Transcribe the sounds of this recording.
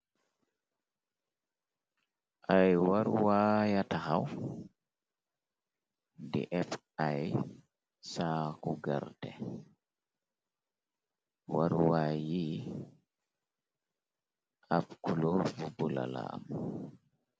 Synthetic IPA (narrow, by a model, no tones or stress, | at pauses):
ʔajwaɾwaːjatahaw | dḭʔɛf | aj | saːkuɡaɾtɛ | waɾwaːji | ʔapkulovubula̰la̰m